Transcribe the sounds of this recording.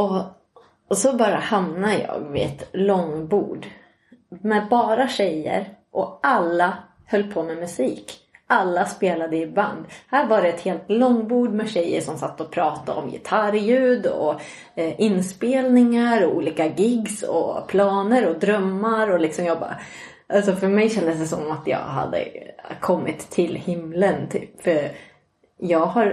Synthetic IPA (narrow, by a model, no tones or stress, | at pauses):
ɔ | sɔbɑːɾahamnajɑ̰ːɡvɪ̰ɛ̰t̪lɔŋbṵːɖ | mɛbɑːɾaɕɛjːə̰ɾʔɔʔalːa | hœlːpʰomɛmɵsiːkʔalːaspeːlad̪əɪba̰nd̪hæːɾvaɖɛɛt̪heːlt̪lɔŋːbuːɖmɛɕɛjːə̰ʂɔmsat̪ːɔpʰɾɑːt̪aɔ̰mjɪ̰t̪ʰaɾjʉ̟ːd̪ɔ̰ | ʔɪnspeːlnɪŋaɾɔṵːliːkaɡɪɡsɔ̰pʰlɑːnəɾɔd̪ɾœmːaɾɔlɪksɔmjɑːɡbɑ̰ | ʔalsɔfœɾmɛjɕɛnd̪əs̬d̪ɛsɔmːat̪jɑ̰ːɡɦa̰d̪ːə̰kʰɔmːɪt̪ʰːɪlhɪmlənt̪ʰy̰ːpfœɾ | jɑːɡhaɾ